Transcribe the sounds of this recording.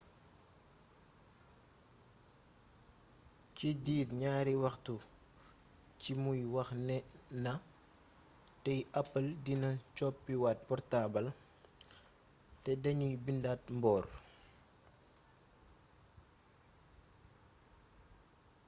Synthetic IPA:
cidiːrɲaːɾiwɐxtu | cimujwɐxnɛnɐ | tɛjʔɐpːɐldinɐt͡ʃɔpːiwaːt̚pɔrtaːbɐl | tɛdɐɲujbindaːt̚mbɔːr

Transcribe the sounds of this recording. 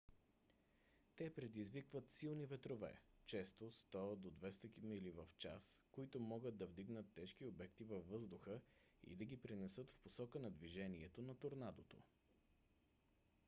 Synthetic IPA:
t̪ɛpɾɛd̪izvikvət̪silˠnivɛt̪ɾovɛ̰t͡ʃɛst̪ost̪ɔəd̪od̪vɛst̪əkimilivəft͡ʃa̰skoit̪ʊmɔɡəd̪̚ɐvd̪iɡnət̪ːɛʃk̟iobɛkt̪ivɐfːɤzd̪ʊxə | ḭd̪ɐɡʲipɾinɛsɤt̪fposɔkənɐd̪viʒɛniɛt̪onɐt̪oɾnad̪ot̪o̰

